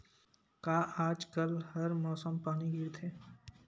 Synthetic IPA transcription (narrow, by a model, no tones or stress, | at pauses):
kaːʔaːd͡ʒkəlhɐɾmɔːsəmpaːniɡɪɾt̪ʰɦeː